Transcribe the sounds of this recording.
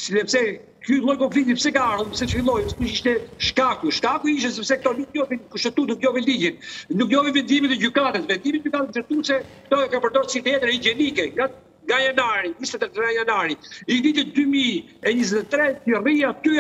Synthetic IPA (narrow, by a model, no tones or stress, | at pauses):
siðɛpsɛ | kjulˠɔjkɔɱfit̪ipsɛkaaɾumsɛt͡ʃəfilˠɔjsɛ̥uiʃt̪ɛʃkakuʃkakuiʃ̬t̪ɛsɛpsɛk̚t̪ɔnukjɔvinkuʃt̪ɛt̪ut̪nukjɔvilid͡ʑinnukjɔvivɛnd̪imit̪əd͡ʑykat̪əsvɛnd̪imit̪ɟykat̪ət̪ɛt̪usɛkt̪ɔɛkapəɾd̪ɔɾsit̪jɛt̪ɾɛid͡ʒɛnikɛŋɡa | ŋɡajanaɾiɲist̪ɛt̪ɛɾt̪ɾajanaɾiivit̪id̪ymi | ɛɲizɛt̪ɛt̪ɾɛtəriat̪y